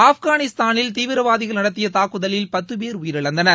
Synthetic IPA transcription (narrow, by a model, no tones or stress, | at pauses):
aːfɣaːnɪst̪aːnɪlt̪iːʋɪɾɐʋaːðɪɣɐɭnɐɽɐt̪̬ːɪjɐt̪aːkːɯðɐlɪlpɐt̪ːɯpeːɾʊjɪɾɐɭɐnd̪ɐnɐ